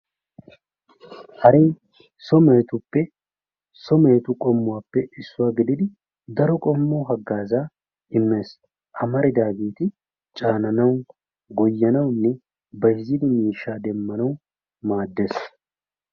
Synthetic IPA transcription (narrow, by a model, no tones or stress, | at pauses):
hɐɾiː | sɔmeːt̪ʊpːɛ | sɔmeːt̪ʊkʼɔmːʊwaːpːɛɪsːʊwaːɡɪd̪ɪd̪ɪ | d̪ɐɾɔkʼɔmːoːɦɐɡːaːzaː | ɪmːe̞ːs | ʔɐmɐɾɪd̪aːɡeːt̪ɪ | t͡ʃʼaːnɐnɐw | ɡɔjːɐnɐwnːɛ | bɐɪzːɪd̪ɪmiːʃːaːd̪ɛmːɐnɐw | maːd̪ːe̞ːs